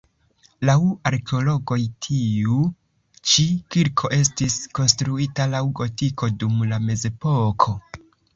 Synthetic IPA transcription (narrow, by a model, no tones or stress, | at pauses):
lawaɾke̞o̞lo̞ɡo̞jtʰiu | t͡ʃikiɾkʰo̞ʔe̞s̬tisko̞nstɾuitalawɡo̞tiko̞dumlame̞ze̞po̞kʰo̞